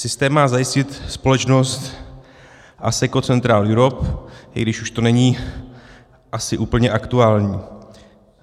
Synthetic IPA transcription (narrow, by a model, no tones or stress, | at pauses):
sɪst̪ɛːmːaːzajɪscɪt̪spo̞lɛt͡ʃno̞st̪ | ʔa̰sɛko̞t͡sɛnt̪ɾaːljuɾo̞pɪ̰ɡdɪʃuʃt̪o̞nɛɲiː | ʔasɪʔuːpl̩ɲɛʔakt̪uaːlɲiː